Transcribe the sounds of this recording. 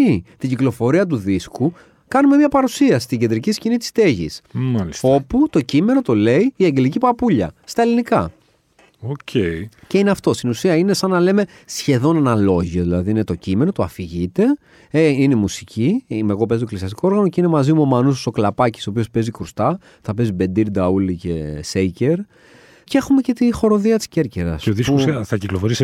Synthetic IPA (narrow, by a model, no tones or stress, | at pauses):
it̪iɟiklo̞fo̞ɾiɐt̪̬uðisku | kɐnume̞mɲɐpɐɾusiɐst̪iɟe̞nd̪ɾiciscinit̪i̥st̪e̞ʝḭsmɐliso̞put̪o̞cime̞no̞t̪o̞le̞iːɐɲɟe̞licipɐpuʎɐ̰st̪ɐe̞linikɐ | ocʰeice̞ineɐft̪o̞st̪inusiɐine̞sɐnːɐle̞me̞ | sçe̞ðo̞nenɐlo̞ʝio̞ðilɐðiine̞t̪o̞cime̞not̪oɐfiʝit̪e̞ | ine̞musicʰimeɣo̞p̬ezit̪oklisiɐst̪i̥ko̞oɾɣɐnoceine̞mɐzimuomɐnusso̞klɐpɐci̥sopio̞spe̞zikɾust̪ɐ | θɐpe̞zibe̞nd̪iɾd̪ɐulice̞sejce̞ɾ | ceexume̞cet̪ixo̞ɾo̞ðiɐt̪i̥sce̞ɾceɾɐ̰sseoðisosθɐciklofo̞ɾise